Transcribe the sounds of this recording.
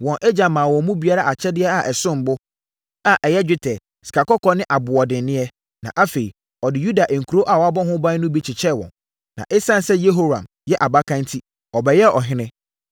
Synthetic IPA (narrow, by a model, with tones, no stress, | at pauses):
wɔ̃˨nʔe˦d͡ʑã˨mã˨wɔ̃˨mũ˦bi˨˦a˦ɾa˦a˨t͡ɕʰɛ˦dɪ˦ɛ˦a˨ʔɛ˨sʊ̃˦m̩˨bʊ˦ | a˨ʔɛ˨jɛ˦d͡ʑᶣɪ˦tʰɛ˨ | sɪ̥˨kʰa˨kɔ˦kʰɔ˦nɪ̃˦ʔa˨bʊ˨ɔ˨dɪ̃˨n˦nɪ̃˦ɛ˦ | nã̰˨ʔa˦fe˨i˨ | ɔ˨dɪ˨ju˦da˨ʔe˨ŋ̩˨kʰu˨ɾo˦ʔa˨wɔ˨a˦bɔ˦ɦʊ̃˦bã˦nʊ̃˦bi˦t͡ɕʰɪ˨t͡ɕʰɛ˦˨wɔ̰̃˨n | nã̰˨ʔɪ˦sã˦n˦sɛ˦je˦ɦo˦ɾã̰˨m | jɛ˦ʔa˨ba˦kʰã˦n˦tʰi˦ | ɔ˨bɛ˨jɛ˦ɔ˨ɦɪ̃˦nɪ̃˦